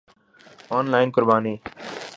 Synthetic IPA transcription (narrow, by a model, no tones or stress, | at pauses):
oːnlaːɪnkʊɾbaːniː